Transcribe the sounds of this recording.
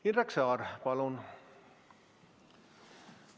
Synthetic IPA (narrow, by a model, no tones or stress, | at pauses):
iraksɑːrpɑlun